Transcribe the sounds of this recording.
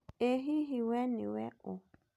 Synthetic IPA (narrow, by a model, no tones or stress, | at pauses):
eɦiɦiwɛnɪ̰wɛ̰ʊ